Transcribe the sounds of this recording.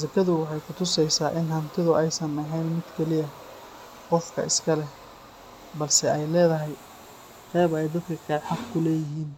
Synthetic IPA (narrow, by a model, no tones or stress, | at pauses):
zɐkʰɐðʊwɑħɑjkʰʊt̪ʰʊsɛjsaːʔɪnhɐmt̪ʰɪðʊʔɛjsɐmɛħɛːnmɪd̪kʰɛlɪjɐ | qɔfkʰɐ̰ɪskʰɐlɛ | bɐlsɛʔɛjlɛːðɐɦɛj | qɛːβɛjd̪ɐd̪kʰɐkʰɐħɑqkʰʊlɛːjɪɦiːn